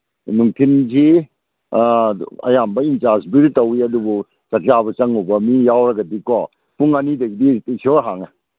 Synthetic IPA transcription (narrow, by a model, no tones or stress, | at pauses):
nuŋtʰinzi | ɐ̰jambɐintasbiɾitɐwiɐdubu | t͡ʃɐkjaβɐt͡ʃɐŋubɐmijawɾɐɡɐdikɔ | puŋanidɐɡidisoɾɦaŋɐ